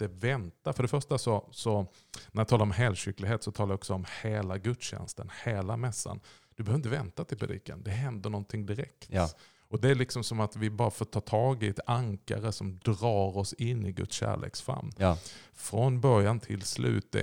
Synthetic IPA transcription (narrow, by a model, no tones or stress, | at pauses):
d̪ɛvɛnt̪afœɖɛfœʂʈasɔsɔ | næɾjat̪ʰɑːlaɾɔmɦɛːlɕʏkːlɪɡɦeːt̪sɔt̪ʰɑːlajaɔksɔɔmheːlaɡɵt̪ɕɛ̰nst̪ənheːlamɛsːa̰nd̪̥ɵbəœœvɪnt̪əvɛnt̪at̪ʰɪlpʰɾɛd̪ḭːkənd̪ɛɦɛnd̪əɳɔnt̪ʰɪŋd̪ɪɾɛ̰kt̪ | ɔd̪ɛæɭɪksɔmsɔmat̪vɪbɑːɾafoːʈʰɑːʈ̪ʰɑːɡɪɛt̪aŋka̰ɾəsɔmd̪ɾɑːɾɔsɪnːɪɡɵ̰t̪sɕæ̰ːɭḛːksfa̰mː | fɾɔnbœɾjant̪ʰɪlslʉ̟̰ːt̪ɛ̰